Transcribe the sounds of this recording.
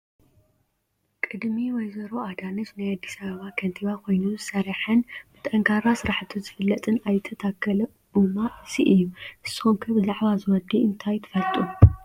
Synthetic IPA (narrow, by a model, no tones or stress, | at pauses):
kʼɨd̪miwɔjzɐɾoad̪anɐt͡ʃnajad̪ːisɐβɐβakʰɐnt̪ʰiβakʰo̞jnuzɨsɐɾiħɨnbɨt̪ʼɐŋkʰaɾasɨɾaħt̪ʰizɨfɨlːɐt̪ʼɨnajɨt̪ʰɐt̪ʰakʰːɐlɐ | umaɨsiʔɨjːuʔɨsɨxomkʰɐbɨzaʕβazɨwɔd̪iɨnt̪ʰajt̪ʰɐ̥fɐlt̪ʼu